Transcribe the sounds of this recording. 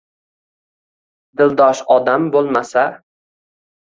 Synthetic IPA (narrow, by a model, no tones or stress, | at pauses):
d̪ɪld̪ɒʃɒd̪ambolˠmasa